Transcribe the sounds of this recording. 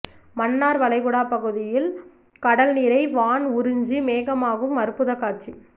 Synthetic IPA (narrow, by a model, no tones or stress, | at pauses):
mɐnːaːɾʋɐɭɐɪɣɯɽaːpɐɣɯðɪjɪl | kɐɽɐlniɾɐɪʋaːnʊɾɯɲd͡ʒimeːɣɐmaːɣɯmːɐɾɯpːɯðɐkːaːt͡ʃi